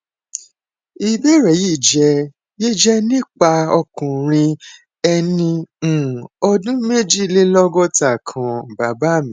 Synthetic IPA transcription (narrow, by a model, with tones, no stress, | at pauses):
i˧be˦ɾɛ˨ji˦˨d͡ʒɛ˧˦ | je˦˨d͡ʒɛ˦nĩ˦k͡pa˧ɔ˧kũ˨ɾ̃ĩ˧ | ɛ˧nĩ˧˨ | ɔ˧dũ˦me˦d͡ʒi˦˨le˦lɔ˦ɡɔ˦ta˨kʰã˨ba˨ba˦˨mĩ˨